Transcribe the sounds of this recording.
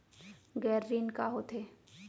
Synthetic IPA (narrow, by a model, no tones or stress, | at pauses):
ɡɛːɾːiːnkaɦot̪ʰe